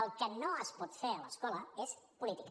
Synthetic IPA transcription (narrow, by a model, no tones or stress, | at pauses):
əlˠkənoəspɔt̪feɾələskɔləespulit̪ik